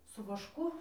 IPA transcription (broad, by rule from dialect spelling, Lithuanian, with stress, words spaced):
sʊ ʋɐʃˈkʊ